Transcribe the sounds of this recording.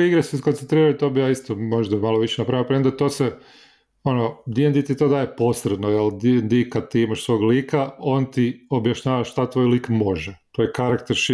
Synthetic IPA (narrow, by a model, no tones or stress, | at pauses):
iɡɾesuiskonent̪ɾiːɾait̪oːbijaːist̪omoʒd̪amalˠoʋiʃenapɾaimopɾend̪at̪ose | o̞nod̪iend̪it̪it̪od̪aːjepo̞sɾed̪nojeld̪iend̪ikad̪̚t̪iːimaʃsʋo̞ːɡliːkao̞nt̪io̞bjaʃɲaːʋaʃt̪at̪ʋo̞ːjliːkmo̞ʒɛt̪ojekaɾakt̪eɾʃ